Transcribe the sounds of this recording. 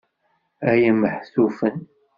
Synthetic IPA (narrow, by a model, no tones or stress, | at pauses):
æjəməħθufən